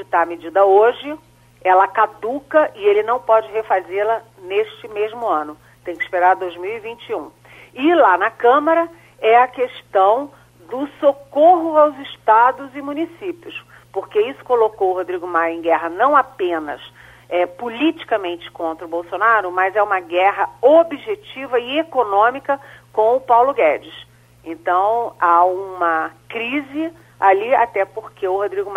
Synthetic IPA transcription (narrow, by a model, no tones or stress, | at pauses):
d͡ʒɪt̪amed͡ʒid̪ɐoʒɪ | ɛlɐkad̪ukɐʔɪelɪnɐ̃w̃pɔd͡ʒɪɦefazelɐ | neʃt͡ʃɪmeʒmʊɐ̃nʊ | t̪ẽj̃kɪ̥speɾaɾd̪ojzmiwivĩnt͡ʃiũ | ɪlanɐkɐ̃mɐɾɐ | ɛɐkeʃt̪ɐ̃w̃ | d̪ʊsokoɦʊawzɪʃt̪ad̪ʊzɪmunisipiʊs | poɾkeisʊ̥kolokowʊɦod̪ɾiɡʊmajẽɡɛɦɐnɐ̃w̃apẽnɐ̰s | ɛpolit͡ʃi̥kɐmẽnt͡ʃɪ̥kõnt̪ɾɐʊbowsonaɾʊmɐzɛũmɐɡɛɦɐobiʒet͡ʃivɐɪekonõmikɐkõw̃ʊpawlʊɡɛd͡ʒɪs | ẽnt̪ɐ̃w̃aũmɐkɾizɪ | alia̰t̪ɛpoɾkeʊhod̪ɾiɡʊm